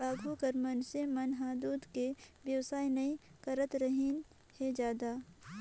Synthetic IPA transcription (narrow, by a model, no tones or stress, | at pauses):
aːɡʱukɐɾmɐnsemɐnɦãːd̪uːd̪kebjɐwsaːinɐikɐɾət̪ɾəɦin | hed͡ʒjaːd̪aː